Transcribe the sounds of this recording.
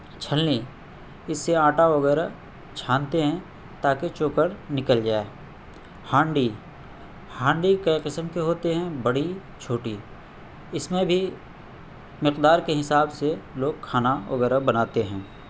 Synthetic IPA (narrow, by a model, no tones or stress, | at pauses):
t͡ʃʰəlni | ɪsːeaːʈaʋɐɡɛːɾa | t͡ʃʰaːnt̪eɦɛ̃ | t̪aːket͡ʃoːkəɾnɪkəld͡ʒaːe | hãːɳɖi | hãːɳɖikɐiqɪsəmkeɦoːt̪eɦɛ̃bɐɽi | t͡ʃʰoːʈi | ɪsmẽbʱi | mɪqd̪aːɾkeɦɪsaːbseloːɡ̚kʰaːnaʋɐ̰ɡɛːɾabɐnaːt̪eɦɛ̃ː